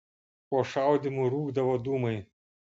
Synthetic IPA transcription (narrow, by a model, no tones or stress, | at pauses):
poːʃɑˑʊd̪ʲimuːɾuːɡd̪ɐʋoːd̪uːmɐɪ